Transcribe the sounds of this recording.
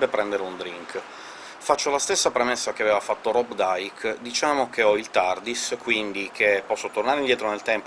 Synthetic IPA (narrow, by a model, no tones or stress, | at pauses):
bepɾɛnd̪eɾeund̪ɾiŋk | fat͡ʃːolast̪esːapɾemesːakeavɛːvafat̪ːoɾɔbd̪ajkd̪it͡ʃaːmok̟eɔilt̪ard̪iskwind̪ikʰepːɔsːot̪ornaɾend̪jɛːt̪ɾonelt̪ɛmp